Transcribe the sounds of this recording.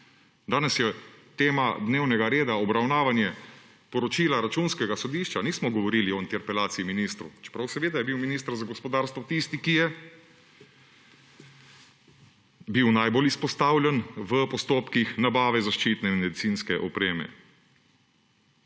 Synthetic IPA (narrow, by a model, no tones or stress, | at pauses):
d̪aːnɛsjɛt̪eːmad̪neːwnɛɡaɾeːd̪aɔbɾawnaːʋanjɛ | pɔɾɔt͡ʃiːlaɾat͡ʃuːnskɛɡasɔd̪iːʃt͡ʃaniːsmɔɡɔʋɔɾiːliɔint̪ɛɾpɛlaːsiiminist̪ɾṵt͡ʃɛ̥pɾawsɛʋeːd̪ajɛbiwminiːst̪əɾzaɡɔspɔd̪aːɾst̪ʋɔt̪ist̪ikijɛ | biwnajbolispɔst̪aːwlʲjɛnʋəpɔst̪oːpkixnabaːʋɛzaʃt͡ʃiːt̪nɛmnmɛd̪isinskɛʔɔpɾeːmɛ̰